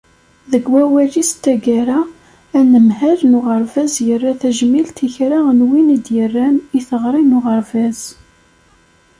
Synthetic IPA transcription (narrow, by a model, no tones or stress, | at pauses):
ðəɡwæwælist̪ːæɡæɾa | ænəmhælnʊʁəɾˤvæzjərːaθæʒmilt̪içɾaənwinid̪jərːæniθəʁɾˤinʊʁəɾvæz̥